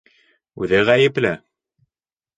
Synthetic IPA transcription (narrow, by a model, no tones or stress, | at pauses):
ʉðɘʁæjɘ̆plɘ